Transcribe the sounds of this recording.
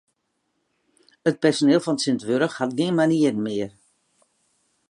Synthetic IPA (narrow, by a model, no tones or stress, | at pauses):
ət̚pɛrsonɪːlˠfɔnsɪntʋøɾəxhatɡɪənmaniərənmɪər